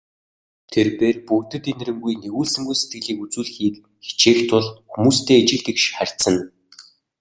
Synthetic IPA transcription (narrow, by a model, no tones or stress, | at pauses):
t̪ʰerpeːrpɵkt̪ɘ̆t̪enrɘ̆ŋɡujneɣuːɮsɘ̆ŋɡujset̪̚ɡɘ̆ɮiːkut͡suːɮxiːk | xe̥t͡ɕʰeːxt̪ʰʊɮxumuːst̪ʰeːt͡ɕɪ̆ɮt̪ikʃχær̥ʲt̪t͡sə̆n